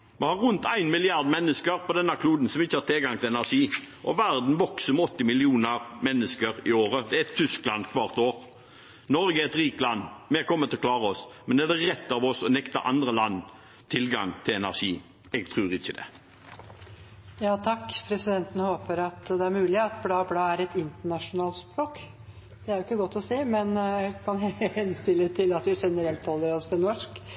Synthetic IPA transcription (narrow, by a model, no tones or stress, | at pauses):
mɛhɑɾʉnt̪æɪnmɪlɪɑɾd̪mɛnːəskəɾpʰɔd̪ɛnːəkʰluːd̪n̩sɔmɪçːəhɑt̪ʰɪlɡɑŋt̪ʰɪlɛnæʁʂiː | ʔɔʋæɾd̪n̩ʋɔksəmɔt̪ːɪmɪlɪuːnəɾmɛnːəskəɾɪoːɾəd̪ɛæɛt̪ʰːʏsklɑnd̪kʰʋɑːʁt̪oːɾ | nɔɾɡəɛɛt̪ɾiːkəlɑnːmɛkʰɔmːət̪ʰɪlɔkʰlɑːʁəɔsmɛnd̪ɛæʁd̪ɛɾɛt̪ːɑʋɔsɔnɛkt̪ɑ̰ʔɑ̰nd̪ɾəlɑnː | t̪ʰɪlɡɑ̰ŋt̪ʰɪlɛnæʁʂiː | ɛɡ̚t̪ʰʁʉːʁɪçːəd̪ɛ̰ | jɑːt̪ʰɑkːpʰɾɛsɪd̪ɛnt̪ən̩hoːpəɾɑt̪d̪ɛæɾmʉːlɪɑt̪blɑːɔblɑːæɾɛt̪ɪnt̪əɳɑʂʊnɑːlspɾoːk | d̪ɛæɾjʊɪkːəɡɔt̪ːɔsiːmɛnkʰɑnhɛnst̪ɪlːət̪ʰɪlɑt̪hʉʂɛnːəɾɛlt̪hɔlːəɾɔst̪ɪnɔʂk